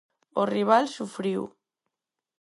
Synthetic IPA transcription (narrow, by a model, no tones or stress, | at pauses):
oriβ̞alsufɾiw